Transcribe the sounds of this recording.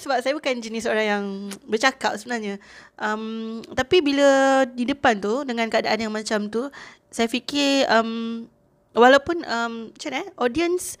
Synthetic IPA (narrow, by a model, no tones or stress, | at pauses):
səbap̚sajabukand͡ʒənisəoɾaŋjaŋbərt͡ʃakap̚səbənarɲəʔəmt̪apibilədidəpant̪udəŋãnkəadaʔanjaŋmãt͡ʃamt̪u | sajafikɪəm | walawpunəmt͡ʃanɛʔɔdiəns